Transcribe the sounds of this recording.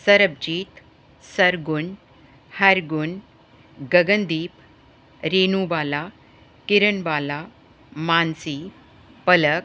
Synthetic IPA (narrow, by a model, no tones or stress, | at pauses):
səɾəb̚d͡ʑiːt̪ | səɾɡun | haɾɡun | ɡəɡənd̪iːp | ɾenubala | kiɾəɳbala | mansi | pələk